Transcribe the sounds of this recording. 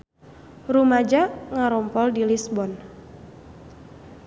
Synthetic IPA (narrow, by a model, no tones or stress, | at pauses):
rumad͡ʒaŋaɾɔmpɔldilisbɔn